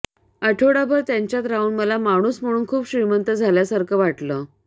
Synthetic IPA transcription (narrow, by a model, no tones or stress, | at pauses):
əʈʰoɽabʱəɾt̪jaɲt͡ɕjat̪ɾauːnməlamaɽ̃uːsm̤əɽ̃uːnkʰuːbɕɾimənt̪əd͡zʱaljasaɾkʰəʋaʈlə